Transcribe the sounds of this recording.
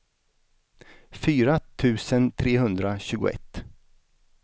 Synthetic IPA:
fyːɾat̪ʰʉ̟ːsənt̪ʰɾeːɦɵnd̪ɾaɕʉ̟ːɡʊ̰ɛ̰t̪ː

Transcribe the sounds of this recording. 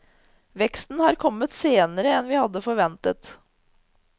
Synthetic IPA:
ʋɛkst̪n̩hɑːɾkʰɔmːət̪seːnəɾəɛnʋɪːhɑd̪ːəfɔɾʋɛnt̪ət̪

